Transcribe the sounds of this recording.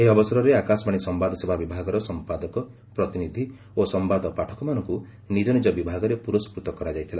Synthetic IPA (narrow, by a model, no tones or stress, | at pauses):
eɦiɔbɔsɔɾɔɾeakasɔmaɽ̃isɔmbad̪ʱɔsebʱabibʱaɡɔɾɔsɔmpad̪ɔkɔ | pɾɔt̪inid̪ʱi | osɔmbad̪ɔpaʈʰɔ̥kɔmanɔŋku | nid͡ʒɔnid͡ʒɔbibʱaɡɔɾepuɾospɾut̪ɔkɔɾad͡ʒajt̪ʰila̰